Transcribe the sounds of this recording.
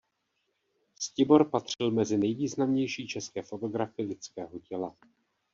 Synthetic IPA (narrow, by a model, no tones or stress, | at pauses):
scɪbo̞ɾpat̪r̝̥ɪlmɛzɪnɛjviːznamɲɛjʃiːt͡ʃɛskɛːfo̞t̪o̞ɡɾafɪlɪt͡skɛːɦo̞cɛla